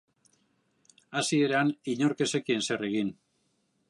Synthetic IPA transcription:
asie̞ɾaniɲo̞ɾke̞sekie̞nse̞re̞ɣin

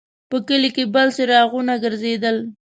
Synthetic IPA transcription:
pəkəlikebəlseɾɑɣunaɡəɾzed̪əl

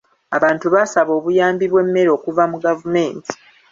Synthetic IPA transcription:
aβaːntuβasaβo̞ːβujaːmbiβwe̞mːe̞ɾo̞ːkuvamuɡavume̞ːntʰi̥

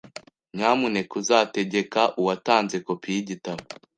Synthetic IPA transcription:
ɲamune̞kuzaːte̞ɟe̞kaʔuwataːnze̞kopiiɟitaβo

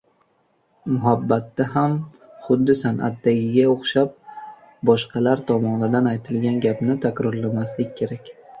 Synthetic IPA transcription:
mʊɦabːat̪ːaɦam | χʊd̪ːɪsanʔa̰t̪d̪aɡʲɪɡʲaoχʃap̚ | bɒʃqɑlaɾt̪ʰɒmɒnɪd̪anajt̪ʰɪlɡʲanɡʲapnɪt̪ʰakʲɾɒɾlamaslɪk̚ʲkʰʲːe̞ɾakʲ

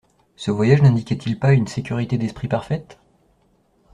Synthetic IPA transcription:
səvwajaʒnɛ̃d̪ikʲɛt̪ʰilpaynsekʲyʁit̪ed̪ɛspχipaʁfɛt̪

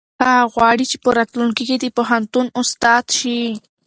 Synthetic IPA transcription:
aɣwaɽit͡ʃi̥poɾat̪lʊŋkɪkɪt̪ipoɦant̪ʊnʊst̪aːt̪ʃi

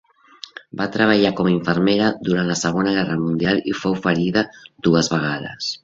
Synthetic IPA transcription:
bat̪ɾəβ̞aʎakɔmaiɱfəɾmeɾaðuɾant̪ləsəɣonaɣɛrəmund̪ialḭfowfəɾiðad̪uəzβaɣaðə̰s

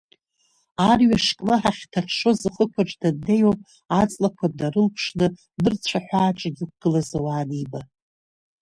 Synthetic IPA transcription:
arɥaʂkʼnɨħaχʲtʰaχʲʂozɨχəkʷʰaʈ͡ʂʼdadne̞jwapʼ | at͡sʼlakʷʰad̚daɾɨlpʰʂnɨ | dɨrt͡ɕʷʰaħʷaːʈ͡ʂʼaɡʲɪk̚ʷɡ̥ɨlazawaːniba

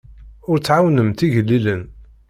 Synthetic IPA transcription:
ʊɾt͡sːʕawnəmt̪iʝəlːilən

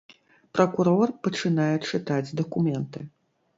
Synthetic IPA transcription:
pɾɐkuɾɔrpɐt͡ʂɨnajɛt͡ʂɨt̪ad͡zʲd̪ɐkumʲɛnt̪ɨ

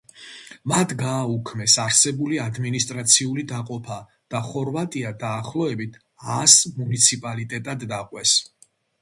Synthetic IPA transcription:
mat̪ʰɡaːukʰmɛsaɾsɛbuliad̪minist̪ʼɾat̪sʰiulid̪aqʼɔpʰa | d̪̥aχɔɾvat̪ʼiad̪aːχlˠɔɛbit̪ʰ | asmunit̪sʰipʼalit̪ʼɛt̪ʼad̪ːaqʼwɛs

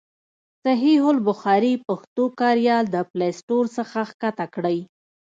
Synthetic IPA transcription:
saɦiɦʊlbʊxɑɾipaxt̪okɑɾjɑld̪əplesʈoɾsəxaxkat̪akɽəj

